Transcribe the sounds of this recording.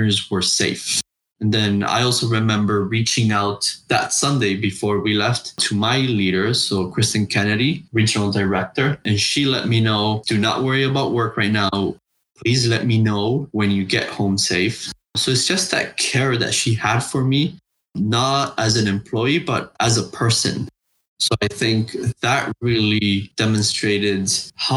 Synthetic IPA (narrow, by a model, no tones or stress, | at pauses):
ə˞zwə˞seɪf | nðɨ̃na̰ɪɔlˠsoʊɹɨmɛ̃mbə˞ɹit͡ʃɪ̃ŋaʊt̪̚ðæ̰tsʌ̃ndeɪbɨfɔɹwilɛfttʰɨmaɪliɾə˞soʊkʰɹ̥ɪstɨ̃nkʰɛnɨɾiɹid͡ʒɨnl̩ˠdəɹɛk̚tə˞ɨ̃nʃilɛ̰t̚minoʊd̥ɨnə̰ʔwɜ˞iɨbaʊʔ̚wɜ˞kɹaɪtⁿnaʊ | pʰl̥izlɛt̚minoʊwɨ̃njɨɡɛ̰ʔ̚hõʊ̃mseɪf | soʊɨtsd̥ʒ̥ʌsðɨ̰t̚kʰɛɹðɨ̰tʃiəd̥fə˞mi | nəɾɨzɨ̃nɨ̃mpʰl̥ɔɪibʌ̰ɾʔəzəpʰɜ˞sɨ̰̃n | soʊaɪθɪ̃ŋkðəʔ̚ɹɪlˠid̥ɛmɨ̃nstɹ̥eɪɾɪdh